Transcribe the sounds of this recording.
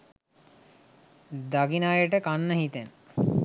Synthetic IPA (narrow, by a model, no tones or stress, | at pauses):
d̪aɡinajəʈəkanːəɦit̪en